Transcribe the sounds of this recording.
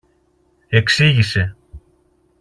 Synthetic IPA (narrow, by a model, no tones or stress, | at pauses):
eksiʝise̞